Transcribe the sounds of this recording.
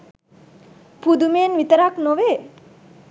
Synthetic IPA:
pud̪umenʋit̪əɾaknoʋe

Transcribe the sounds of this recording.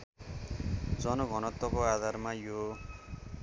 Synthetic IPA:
d͡zʌnoɡʱʌnʌt̪ːɔkoad̪ʱarmajo

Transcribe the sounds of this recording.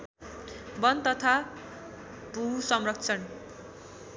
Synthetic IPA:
bʌnt̪ʌt̪ʰa | bʱusʌmrʌk̚t͡sʰʌn

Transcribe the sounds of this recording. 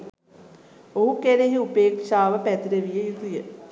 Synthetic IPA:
oɦukeɾeɦiupeːkʂaːʋəpæt̪iɾeʋijejut̪ijə

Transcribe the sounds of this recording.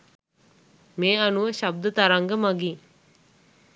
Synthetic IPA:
meːanuʋəʃab̚d̪ət̪aɾaŋɡəmaɡiː

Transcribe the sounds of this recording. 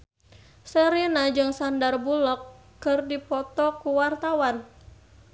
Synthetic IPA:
səɾinad͡ʒɨŋsandarbulɔkː | ɨrdipɔt̪ɔkuwart̪awan

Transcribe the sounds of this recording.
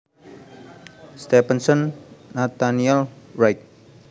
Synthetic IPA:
st̪ɛpənsɔnːat̪aniɛlɹajk̚

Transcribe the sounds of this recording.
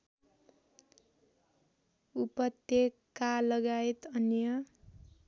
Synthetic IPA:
upʌt̪jekː | alʌɡaet̪ʌnjʌ

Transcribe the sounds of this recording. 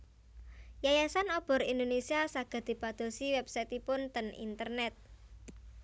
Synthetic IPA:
jajasanɔb̥ɔ̤ɾind̪onesiasaɡ̥a̤d̪̥i̤pad̪̥o̤siwɛb̥sajt̪ipʊnt̪ənḭnt̪ərnɛt̪̚

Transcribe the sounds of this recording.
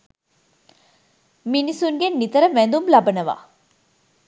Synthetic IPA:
minisuŋɡenːit̪əɾəʋænd̪umlɐbɐnəʋa̰ː

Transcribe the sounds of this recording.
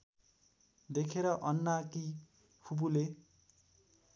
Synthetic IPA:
d̪ekʰeɾʌʔʌnːaki | pʰubule

